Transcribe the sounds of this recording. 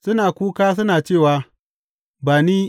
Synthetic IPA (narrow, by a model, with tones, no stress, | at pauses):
sʊ˦naː˨kʷuː˦kaː˦s̬ʊ˦naː˨t͡ʃeː˦˨waː˨ | baː˨niː˦